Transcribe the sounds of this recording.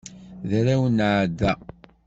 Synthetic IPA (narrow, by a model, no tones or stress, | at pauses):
ðɾæwənʕd̪ːæ